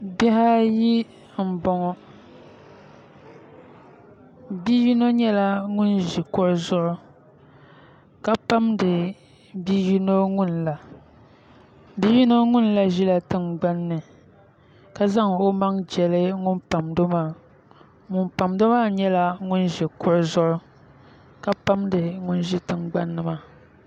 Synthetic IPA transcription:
bɛ˦ha˦ji˦ | m̩˨bɔ˨ŋɔ˦ | bi˦ji˦no˦ɲɛ˦la˦ŋʊ˦nʒi˨kɔ˦ɾɨ˦zʊ˦ʔʊ˦ | ka˦pa˦mdɨ˨ | bi˦ji˦no˦ŋʊ˦nla˨ | bi˦ji˦no˦ŋʊ˦nla˦ʒi˦la˨tɨ˦ŋɡ͡ba˦nːɨ˨ | ka˦za˦ŋo˦ma˦ŋd͡ʒɛ˨lɨ˦ŋʊ˦npa˨mdo˦maː˦˨ | ŋʊ˨npa˨mdo˦maː˦ɲɛ˦la˦ŋʊ˦nʒi˨kʊ˦ʔzʊ˦ʔʊ˦ | ka˦pa˦mdɨ˨ŋʊ˦nʒi˦tɨ˨ŋɡ͡ba˦nːɨ˨ma˦

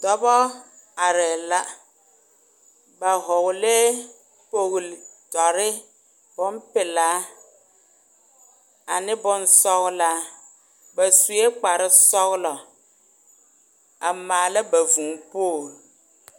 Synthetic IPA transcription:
d̪ɔ˨bɔ˦a˨ɾɛ˨la˦ | ba˨ɦɔ˨ɣle˦ | po˨ɣltɔ˨ɾɪ˦ | bɔ˦m˦pɪ˨la˦ | a˨nɪ̃˦bɔ˦n˦sɔ˦ɣla˦ | bɛ˨su˨e˦k͡pa˨ɾɪ˦sɔ˦ɣlɔ˨ | a˨ma˨le˦be˨vu˨ŋpo˦˨

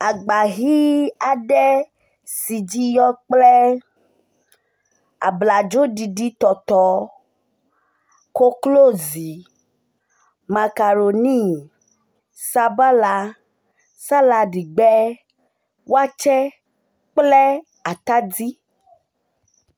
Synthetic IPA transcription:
a˨ɡ͡ba˨ɣi˦a˨ɖɛ˦ | si˨d͡ʒi˦jɔ˦k͡plɛ˦ | a̰˨bla˨d͡ʒo˦ɖi˨di˦t̪ɔ˨t̪ɔ˨ | ko˦klo˦˨zi˨ | ma˨ka˨ɾo˨nĩ˦ | sa˦ba˦la˧ | sa˦la˧di˨ɡ͡bɛ˦ | wo˦a˦t͡ʃɛ˦ | k͡plɛ˦ | a˨t̪a˦di˦

